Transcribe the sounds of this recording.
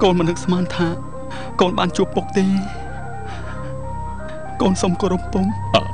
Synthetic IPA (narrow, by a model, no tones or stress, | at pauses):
koːnmənːɨk̚smaːnt̪ʰaː | koːnɓaːnt͡ɕuəpːuk̚t̪eː | koːnsomkoːɾupːʊŋ | a̰ː